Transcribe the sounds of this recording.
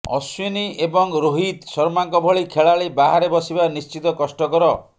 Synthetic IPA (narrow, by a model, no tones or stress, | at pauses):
ɔ̰swiniebɔŋɾoɦid̪sɔɾmaŋkɔbʱɔɭikʰeɭaɭebaɦaɾebɔsibanist͡ʃit̪ɔkɔsʈɔkɔɾɔ